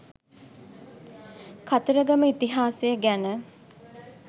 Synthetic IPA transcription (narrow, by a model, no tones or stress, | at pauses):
kat̪əɾəɡaməit̪iɦaːsejəɡænə